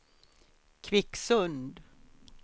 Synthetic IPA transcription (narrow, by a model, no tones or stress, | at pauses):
kʰvɪksɵnd̪